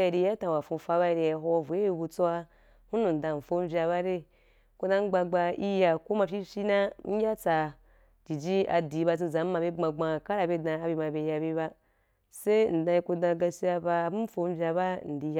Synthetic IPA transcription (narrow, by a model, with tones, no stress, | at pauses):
i˨ɾi˧ja˦tã˨wa˨fũ˧fa˧ba˧i˧ɾi˧ja˨ɦo˧vu˨e˦i˧bu˧t͡so˦wa˧ | hu˦nũ˨n̩˨dã˨ɱ̩˨fo˧m̩˦vʲi˧a˧βa˦ɾe˦ | ko˧dã˦ɡ͡ba˧ɡ͡ba˧i˦ja˧ko˦ma˧pʲi˦fʲi˦nã˦ŋ̩˦ɡʲa˦t͡sa˧ | d͡ʒi˨d͡ʒi˦a̰˧di˨˦ba˧t͡s̬i˧zã˨˦m̩˦ma˧be˦ɡ͡bã˧ɡ͡bã˧ka˦ɾa˨be˦dã˧a˧bʲi˧ma˧be˧ja˧be˧˦βa˧ | se˦n̩˨dã˧i˧ku˧dã˧ɡa˧si˦a˧ba˧bu˦fo˧m̩˦vʲa˧ba˦n̩˨di˨˧j